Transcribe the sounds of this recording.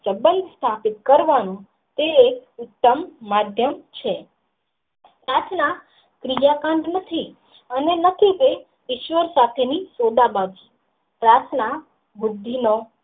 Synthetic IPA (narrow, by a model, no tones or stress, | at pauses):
səbə̃nd̪ʱst̪ʰapit̪̚kəɾʋanũ | t̪ekʊt̪ːəmːad̪ʱjəmt͡ʃʰe | pɾat̪ʰna | kɾijakãɳɖ̪nət̪ʰi | ənenət̪ʰite | ɪʃʋəɾsat̪ʰenisod̪abad͡ʒi | pɾat̪ʰna | bʊd̪ʱːino